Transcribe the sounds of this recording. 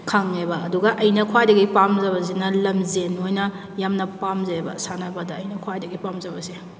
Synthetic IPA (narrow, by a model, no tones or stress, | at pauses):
kʰɐŋebɐːduɡɐʔɐjnɐkʰwajdɐɡipamzɐbɐs̬inɐlɐmzenojnɐ | jamnɐpamzɐebɐ̰sanɐbɐdɐːjnɐkʰwajdɐɡipamzɐbɐsi